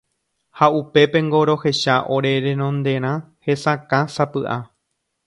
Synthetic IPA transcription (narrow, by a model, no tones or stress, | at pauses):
haupe̞pẽ̞ŋɡo̞ɾo̞he̞ʃaʔo̞ɾe̞ɾẽɾõ̞nd̪e̞ɾ̃ã | he̞sãkãsapɨʔa